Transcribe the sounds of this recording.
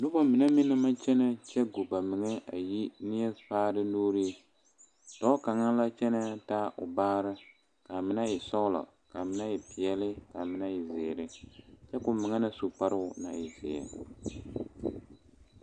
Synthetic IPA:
nʊ˦ba˦mɪ˨na˦mɪ˦nɨ˦ma˦t͡ʃɛ˦na˦t͡ʃɛ˦ɡo˨ba˨mɪ˨ŋɛ˦a˨ji˦nɪ˦ɛ˦paː˦ɾɨ˦noː˦ɾi˦ | tɔ˦ka˨ŋa˦la˦t͡ʃɛ˦na˦taː˦ʔʊ̰˨baː˦ɾɨ˦ | ka˨mɪ˨na˦i˨sɔ˦ʊ˦la̰˨ | ka˨mɪ˦na˦i˨pi˨ɛ˦lɪ˦ka˨mɪ˦na˦ji˨zeː˨ɾɨ˦t͡ʃɛ˦kʊ˨mɪ˨ŋɛ˦nɨ˦su˨k͡pa˦ɾɨ˦ʊ˨na˨ɪ˨zɪ̰˨a̰˨

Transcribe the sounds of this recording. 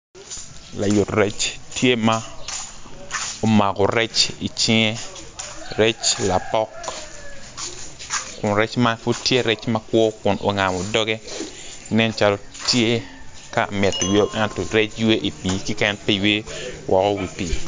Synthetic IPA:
la˨jʊ˨tɾɛ˦t͡ʃtje˦ma˦ | o˨ma˨kɔ˨ɾɛ˦t͡ʃi˨t͡ʃɪ˦ŋe˦ | ɾe˦t͡ʃla˨pɔ˦k | kʊ˨nɾɛ˦t͡ʃma˦fʊ˦dtːje˦ɾɛ˦t͡ʃma˦kwɔ˦kʊ˨nʔo˨ŋa˨mo˨dɔ˦ɡe˦ | nɛ˦nt͡ʃa˦lo˦tje˦ka˨mɛ˨tːo˨jo˦ʔɛ˦ntɔ˨ɾe˦t͡ʃwe˦ʔi˨pi˨ki˦kɛ˦npi˦we˦wʔɔ˨kɔ˦wi˨pi˨

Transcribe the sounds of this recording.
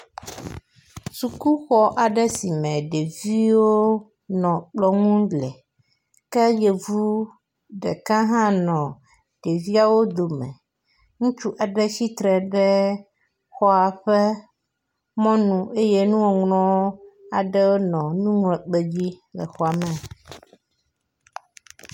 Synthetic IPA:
su˨ku˦xɔ˦ʔa˨ɖɛ˦si˨mɛ̃˨ɖe˨vi˦wo˦ | nɔ̃˨k͡plɔ˦ŋũ˦ɖlɛ˨ | kɛ˦jɛ˨vu˦ | ɖɛ̰˨kã˦ɦã˦nɔ̃˨ | ɖ̥e˨vi˦a˦˨wo˦d̪o˨mɛ̰̃˨ | ŋũ˦t͡ʃu˦ʔa˨ɖɛ˦si˦t̪ɾɛ˨ɖɛ˦ | xɔ˦a˨ɸɛ˦ | mɔ̃˦nũ˨ʔe˦je˦nũ˦wɔ˨ŋnɔ̃˦wo˦a˨ɖɛ˦wo˦nɔ̃˨nũ˦ŋlɛ˨k͡pe˦d͡ʑi˦lɛ̰˨xɔ˨a˨mɛ˨

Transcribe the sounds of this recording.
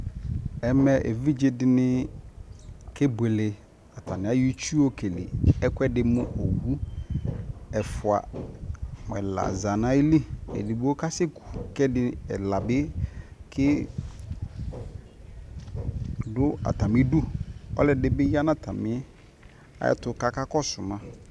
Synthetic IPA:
ɛ˨mɛ˨ʔḛ˨vi˦d͡ʒe˦dɪ˨nɪ˦ | kɪ˦be˨lɪ˨ | a˨tʰa˨nɪ̃˨a˦ju˦t͡ʃu˦o˦kʰe˨lɪ̰˨ɛ˦kʷɛ˦dɪ˨mʊ̃˦ʔo˨wu˦ | ɛ˨fʊ˨a̰˨ | m˨ɛ̰˨la̰˨za˨nã˨˦i˦li˦ɛ̰˨dɪ˨bo˦ka˦sɪ˦kʰu̥˨kɛ˦dɪ˦ɛ˨la˨bɪ˦kʰɪ˦ | dʊ˦a̰˨ta˨mɪ̃˦dʊ˦ɔ̰˦lɛ˨dɪ˨bɪ˦ja˦nã˦tʰa˨mɪ̃˦ɛ˦ | a̰˦jɛ̰˦˨tʊ˨ka˦ka˦kɔ˦sʊ˨mã˨

